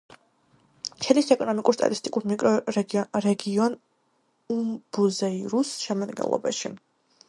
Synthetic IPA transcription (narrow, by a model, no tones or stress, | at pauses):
t͡ʃʰɛlisɛkʼɔnɔmikʼuɾst̪ʼa̰t̪ʼist̪ʼikʼuɾmikʼɾɔɾɛɡiɔn | umb̥uzɛiɾusʃɛmad̪ɡɛ̰nlˠɔ̰ba̰ʃi